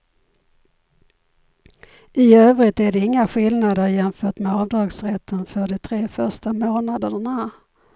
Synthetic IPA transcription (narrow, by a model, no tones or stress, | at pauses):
ɪøːvɾɪt̪æɖɛɪŋːaɧɪlnad̪əɾjɛnfœːʈmɛɑːvd̪ɑːɡsɾɛt̪ʰːənfœɖɛt̪ʰɾeːfœʂʈamoːnad̪əɾəɳa